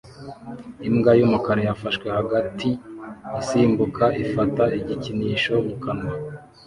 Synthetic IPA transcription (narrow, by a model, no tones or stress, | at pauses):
imɡajumukaɾojafaʃkwe̞haɡatʰiisiːmbukʰaʔifataiɟiciniːʃo̞mukanwa